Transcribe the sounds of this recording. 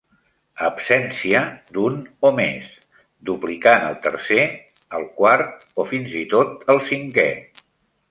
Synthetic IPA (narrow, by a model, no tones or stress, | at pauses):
əbsɛnsiəd̪unomes | d̪uplikanəlˠt̪əɾse | əlˠkwaɾt̪ | ofinzit̪ot̪əlˠsiŋkɛ